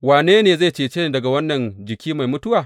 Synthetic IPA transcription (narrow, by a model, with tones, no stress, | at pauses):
waː˨neː˦neː˨za˦˨t͡ʃeː˨t͡ʃeː˦nː˨dɐ˨ɡa˨wɐ˦nːɐ˨nd͡ʒɪ˨kʲʰiː˦ma˨jmʊ˦tʊ˦waː˨